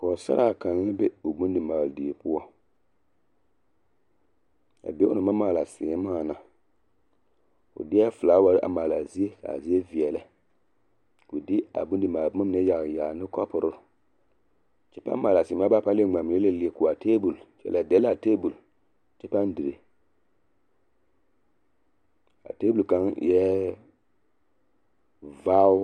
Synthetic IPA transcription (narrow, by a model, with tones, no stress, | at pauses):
kɔ˨sa̰˦ɾa˦˨ka˨n˦a˦be˦ʊ˨bu˦ndɪ˨maː˨ldi˨pʊ˦ɔ˦ | a̰˨be˦ʊ˦nɨ˨ma˦maː˨la˨sɪː˨˦maː˦˨na˨ | kʊ̰˨dɪ˦ɛ˦fʊ˨laː˨˦wa˨ɾɪ˦ʔa̰˨maː˨la˨zi˦e˦ka̰˨a̰˨zi˦e˦vi˨ɛ˨lɛ˦ | kʊ˨dɪ˦a̰˨bu˦n˦dɪ˨ma˨˦a˦m˦nɛ˦ja˨ɣjaː˨nɪ˦kɔ˦pʊ˨ɾʊ˦˨ | t͡ʃɛ˦pa̰˦ma˨la˨si˨m˦a˦ba˦pa˦e˦˨ŋ͡ma˨m˨le˦le˦˨li˨e˨ku˨a˨tʰe˦bu˨lt͡ʃɛ̰˦˨lɛ˨dɛ˦la˨teː˦bu˨l | t͡ʃɛ˦pa˦n˦di˨ɾe˨ | a̰˨te˦bu˨lka˨˦ŋ˨jɛ˦ | va˦